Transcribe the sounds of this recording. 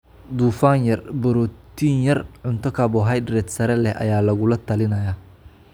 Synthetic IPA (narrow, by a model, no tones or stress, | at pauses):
d̪uːfaːnjɐrbɔɾɔːt̪ʰiːnjɐrʕʊnt̪ʰɔkʰaːbɔːɦɐjdɾɛːt̪sɐɾɛlɛhʔɐ̰jaːlɐɣʊlɐt̪ʰɐlɪnɐjaː